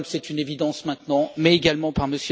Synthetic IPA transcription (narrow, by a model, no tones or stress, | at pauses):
msɛt̪ynevid̪ɑ̃smɛ̃t̪nɑ̃mɛeɡalmɑ̃paʁməsj